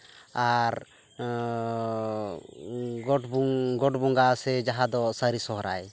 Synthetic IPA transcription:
aɾ | ɡɔʈbuŋɡɔʈbuŋɡasɛd͡ʒaɦad̪ɔsəɾisɔɦɾa̰j

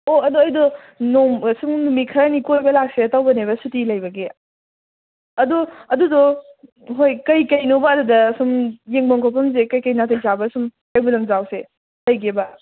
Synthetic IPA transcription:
oɐduɐjdɔ | nomɐsumnumikʰɐɾanikojbɐlak̚setawbɐneβɐsutilɐjbɐɡe | ɐduɐdudɔ | ɦojkɐjkɐjnobɐːdudɐːsumjeŋbɐŋkʰopʰɐmzekɐjkɐjnatʰɐjzabɐsum | ɐjbulɐŋzawse | lɐjkʰebɐ

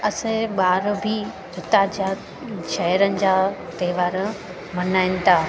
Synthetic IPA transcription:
ɐsẽɓaːɾbʱi | d͡ʑʊt̪aːd͡ʑa | ʃɐɦəɾənɪ̆d͡ʑaːt̪eːʋaːɾ | mɐnaːɪnɪ̆t̪ʰaː

